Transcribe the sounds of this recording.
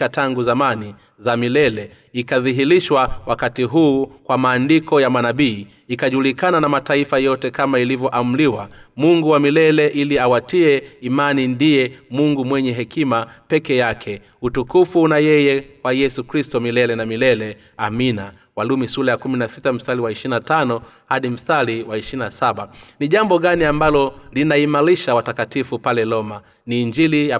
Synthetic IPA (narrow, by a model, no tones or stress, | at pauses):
ataŋɡuzamani | zamilɛlɛ | ikaðiɦiliʃwawakatiɦuːkwamaːndikɔjamanaɓiː | ikaʄulikananamataifajɔtɛkamailivjɔʔam̩liwamuŋɡuwamilɛlɛʔiliawatiɛimanindijɛmuŋɡumwɛɲɛɦɛkimapɛkɛjakʰɛ | utukufunajɛjɛwajɛsukɾistɔmilɛlɛnamilɛlɛ | amina | walumisulajakuminasitam̩saliwaiʃinatanɔhaɗim̩saliwaiʃinasaɓaniʄambɔɠaniambalɔlinaimaɾiʃawatakatifupalɛlɔma | niːɲd͡ʒilija